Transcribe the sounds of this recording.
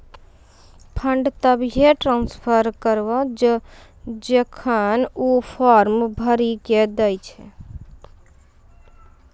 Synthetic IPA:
pʰəɳɖt̪əbɦeʈɾãːnspʰəɾkəɾʋəd͡ʒə | d͡ʒekʰənupʰɔːɾmbʱəɾiked̪əjt͡ʃʰɛ

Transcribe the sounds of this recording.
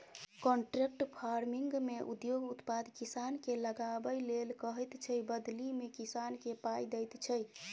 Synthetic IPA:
kɔɳʈɾek̚ʈpʰaɾmiŋɡmeʔṵd̪joɡut̪pad̪kisankeləɡabəjlelkəɦɛjt̪t͡ʃʰəjbəd̪limekisankepajd̪ɛjt̪t͡ʃʰəj

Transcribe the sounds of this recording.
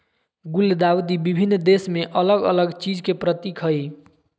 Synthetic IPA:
ɡuld̪awd̪ibibʱinːd̪esmeʔələɡə̰ləɡt͡ʃid͡ʒkepɾət̪ikʰəj

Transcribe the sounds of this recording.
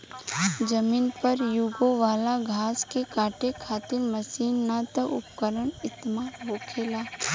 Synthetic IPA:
d͡ʒɐmiːnpɐɾjʊɡoʋaːlaɡʱaːskekaːʈekʰaːt̪ɪɾmɐsiːnːat̪əʔʊpkəɾəɳɪt̪maːɦoːkʰeːlaː

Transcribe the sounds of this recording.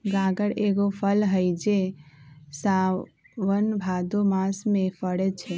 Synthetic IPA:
ɡaɡəɽeɡopʰəlɦəjd͡ʒe | sa | ʋənbʱad̪omasmẽpəɽet͡ʃʰɛ

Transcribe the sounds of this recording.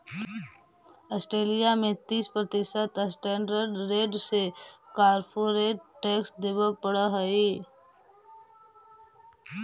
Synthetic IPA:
əsʈɾeːlijamẽt̪iːspɾət̪ɪsət̪əsʈɛ̃ːɳɖəɾɖːeːɖsekaːɾpʰuɾeːɖʈeːksd̪eːbəpəɽəɦəi

